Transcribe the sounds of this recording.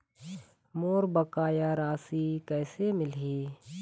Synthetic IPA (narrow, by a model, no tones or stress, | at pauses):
moːɾbəkaːjaɾaːsikɛːsemɪlɦiː